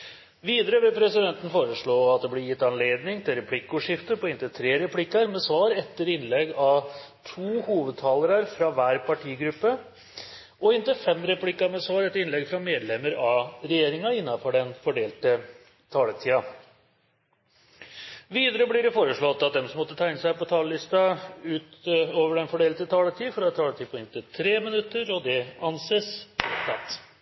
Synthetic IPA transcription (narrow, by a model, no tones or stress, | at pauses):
ʋiːd̪əɾəbɪpʰɾɛsɪd̪ɛnt̪ən̩foːɾəʂɭoːɑt̪̚d̪ɛblɪɾjɪt̪ːɑnleːd̪nɪŋt̪ʰɪlɾɛpʰlɪkːʊʂɪft̪əɾpɔɪnt̪ət̪ʰɾeːɾɛpʰlɪkːəɾmɛsʋɑːɾɛt̪ːəɾɪnlɛɡɑt̪ʰuːhuːʋəd̪̚t̪ʰɑːləɾəɾfɾɑʋæːɾpʰɑʈʰiːɡɾʉpːə | ɔɪnt̪əfɛmɾɛpʰlɪkːɑɾmɛsʋɑːɾɛt̪ːəɾɪnlɛɡfɾɑmeːd̪lɛməɾɑɾɛjeːɾɪŋɑɪnːɑfɔɖɛnfɔɖeːlt̪ə | t̪ʰɑːlət̪ʰiːɑ | ʋiːd̪əɾəblɪɖɛfoːɾəʂɭɔt̪ːɑt̪̚d̪ɛmsɔmɔt̪ːət̪ʰæɪnəsæɪpɔt̪ʰɑːləlɪst̪ɑʉːt̪oːʋəɖɛnfɔɖeːlt̪ət̪ʰɑːlət̪ʰiːfɔɾɑt̪ʰɑːlət̪ʰiːpʰɔɪnt̪ət̪ʰɾeːmənʉt̪ːəɾɔd̪ɛɑnseːsɛt̪ʰɑ̰t̪